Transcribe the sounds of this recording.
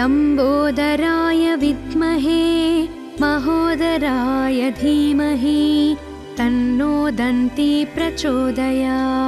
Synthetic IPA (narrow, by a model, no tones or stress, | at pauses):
sɐmboːd̪ɐɾaːjɐʋid̪ʱmɐɦeː | mɐɦoːd̪ɐɾaːjɐd̪ʱiːmɐɦi | t̪ɐnːoːd̪ɐnt̪ipɾɐt͡ʃoːd̪ɐjaː